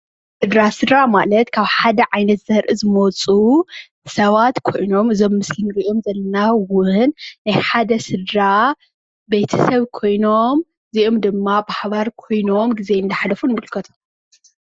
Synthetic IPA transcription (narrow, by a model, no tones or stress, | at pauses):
sɨd̪ɾasɨd̪ɾamalɐt̪kʰaβħad̪ɐʕajnɐt̪z̥ɐɾʔɨzɨmot͡sʼu | sɐβat̪kʰo̞jno̞mɨzo̞mːɨskɨnɡiʔomzɐlːɐnawʊnːajħad̪ɐsɨd̪ɾa | bejt̪ʰɐsɐβkʰo̞jno̞m | ziʔomd̪ɨmːabaħβaɾkʰo̞jno̞mɡize̞nd̪ɐħalɐfunmɨlkʰɐt̪ʰo̥m